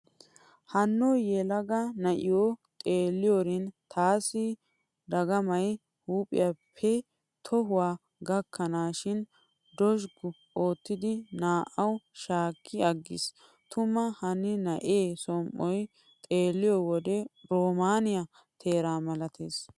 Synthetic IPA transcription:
hɐnːojɛlɐɡɐnɐʔɪjot̪ʼeːlːɪjoɾɪnt̪ʰaːsɪ | d̪ɐɡɐmɐj | huːpʼɪ̰japʰːɛ | t̪ʰɔɦʊwaː | ɡɐkʰːɐnaːʃɪn | d̪ɔʃɡʊ | o̞ːt̪ːɪd̪ɪnaːʔɐwʃaːkʰːɪɐɡːɪ̰s | t̪ʊmɐhɐnːɪnɐʔeːsɔmʔɔj | t̪ʼeːlːɪjɔwɔd̪ɛɾoːmaːnɪjɐ | t̪ʰe̞ːɾaːmɐlɐt̪ʰḛːs

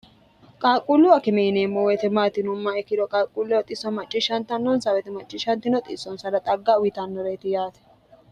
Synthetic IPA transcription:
kʼaːkʼulːʊɐkɪmeneːmːɔwɛt̪ɛmaːt̪ɪnʊmːɐɛkːɪdɔkʼaːkʼːulːʊwɐt̪ʼɪsɔmɐt͡ʃʼːɪʃɐnt̪ɐnːɔnsɐwɛt̪ɛmɐt͡ʃʼːɪʃɐnt̪ɪnɔt̪ʼɪ̰sɔnsɐdɐt̪ʼɐɡːawɪt̪ɐnːɔɾeːt̪ɪjaːt̪ɛ̥

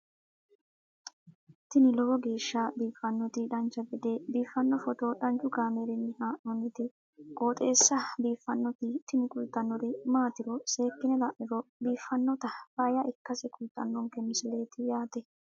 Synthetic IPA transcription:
t̪ɪnɪlɔbɔɡe̞ːʃːabiːfːɐnːɔt̪ɪᶑɐnt͡ʃːɐbd̪eːbiːfːɐnːɔfɔt̪oᶑɐnt͡ʃʊɡaːmeɾɛnːɪhaːʔɔnɪt̪ɪ | kʼoːt̪ʼe̞ːsːɐbiːfːɐnːɔt̪ɪt̪ɪnɪkʼʊlt̪ːɐnːɔɾɪmaːt̪ɪɾɔse̞ːkːɪnɛlɐʔɪɾɔbiːfːɐnːɔt̪ɐb̥aːjɐʔɪkːɐsɛkʼʊlt̪ʼːɐnːɔŋkɛmːɪsɪle̞ːt̪ɪjaːt̪ɛ

